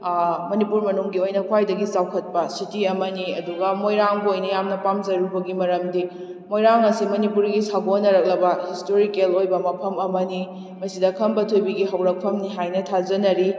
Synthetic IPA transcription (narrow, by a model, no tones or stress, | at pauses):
mɐnipuɾmɐnuŋɡiojnɐkʰwajdɐɡisawkʰɐt̚pɐsitiɐmɐniɐ̰duɡɐmojɾaŋbojnɐjamnɐpamzɐɾubɐɡimɐɾɐmdi | mojɾaŋɐsimɐnipuɾɡisaɡonːɐɾɐk̚lɐbɐhistoɾikelojbɐmɐpʰɐmɐmɐni | mɐsidɐkʰɐmbɐtʰujbiɡiɦɐwɾɐk̚pʰɐmniɦajnɐtʰazɐnɐɾi